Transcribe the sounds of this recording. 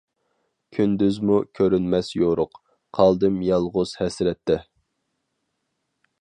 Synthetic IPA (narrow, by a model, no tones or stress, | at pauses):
kʲʰynd̪yzmukʲʰøɾynmɛsjoɾʊq | qʰɑlˠd̪ɨmjɑlˠʁʊz̥hɛsɾɛt̪ʰːɛ